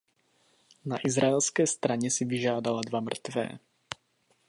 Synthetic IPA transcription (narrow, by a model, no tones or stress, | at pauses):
naʔizɾaɛlskɛːst̪ɾaɲɛsiviʒaːdaladvamr̩t̪vɛ̰ː